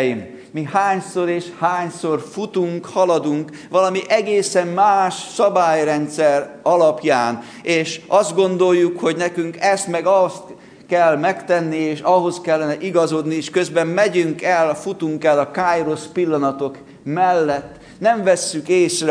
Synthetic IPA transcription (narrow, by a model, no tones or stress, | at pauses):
im | mihaːɲso̞ɾeːʃhaːɲso̞rfut̪uŋkhɒlɒd̪uŋk | ʋɒlɒmiʔɛɡeːsɛmmaːʃsɒbaːjrɛnt̪sɛɾɒlɒpjaːn | eːʃʔɒzd̪̚ɡo̞nd̪o̞jːukho̞ɟnɛkyŋkɛst̪mɛɡɒst̪ | kɛlmɛkt̪ɛnːieːʃɒɦo̞skɛlːɛnɛʔiɡɒzo̞d̪nieːʃkøzbɛmːɛɟyŋkɛlfut̪uŋkɛlːɒkaːjro̞spilːɒnɒt̪o̞k | mɛlːɛt̪ː | nɛɱvɛsːykeːsrɛ